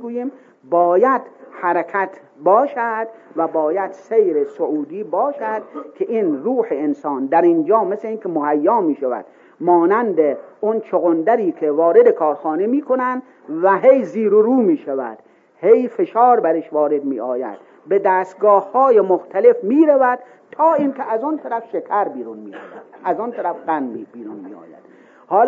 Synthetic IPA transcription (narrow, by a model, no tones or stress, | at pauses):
ɡuːjiːm | bɒːjæd̪̥hæɾækʰæt̪ʰ | bɒːʃæd̪̥væbɒːjæd̪̥sejɾesoʔuːd̪iːbɒːʃæd̪̥̚kʲʰeʔiːnruːħeensɑːnd̪æɾind͡ʒɒːmesleiːnkʲʰemohæjːɒːmiːʃævæ̰d̪̥ | mɒːnænd̪eont͡ʃʰoɣond̪æɾiːkʰevɒːɾed̪ekʰɒːɾxɑːnemiːkʰonænd̪ | væɦejziːɾoɾuːmiːʃævæ̰d̪̥ | hejfeʃɒːɾbæɾeʃvɒːɾed̪miːɒːjæ̰d̪̥ | be̞d̪æːst̪̚ɡɒːhhɒːjemoxt̪ʰæle̞fmiːɾævæd̪̥̚ | t̪ʰɒːinkʲʰeʔæzont̪ʰæɾæfʃekʰæɾbiːɾunmiːɑ̰jd̪ʔæzont̪ʰæɾæfɡænmbiːɾunmḭɒ̰ːjæ̰d̪̥ | hɒːl